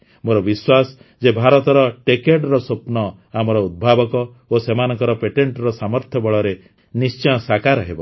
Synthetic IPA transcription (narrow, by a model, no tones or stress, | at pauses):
moɾɔbiswasɔ | d͡ʒebʱaɾɔt̪ɔɾɔʈekeʈɾɔsopnɔ | amɔɾɔud̪̚bʱabɔkɔ | osemanɔŋkɔɾɔpeʈeɳʈɾɔsamɔɾt̪ʰjɔbɔɭɔɾe | nist͡ʃɔj̃ɔsakaɾɔɦebɔ